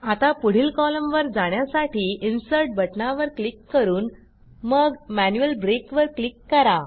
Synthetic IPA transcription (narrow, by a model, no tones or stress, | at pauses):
at̪apuɽ̤iːlkɔləmʋəɾd͡zaɳ̃jasaʈiːʔinsəɾʈ̚bʱəʈnaʋəɾklikːəɾuːn | məɡmænjuəlbɾekʋəɾklikːəɾa